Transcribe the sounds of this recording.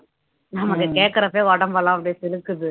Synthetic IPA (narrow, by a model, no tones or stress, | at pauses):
nɐmɐkːɐkeːʈkːɐɾɐpːeːʋɔɽɐmʋɐlãːɐp̬ːɐɽijsɪlɯkːɯðɯ